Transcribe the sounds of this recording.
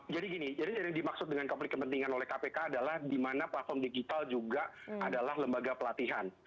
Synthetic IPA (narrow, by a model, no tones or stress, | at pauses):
d͡ʒadiɡinid͡ʒadisajaŋdimaksʊt̪̚dəŋankɔmplɪt̪kəpənt̪iŋanolɛhkapekaːdalahdimanaplat̪̚fɔrmdiɡit̪ald͡ʒuɡa | adalahləmbaɡapəlat̪iɦan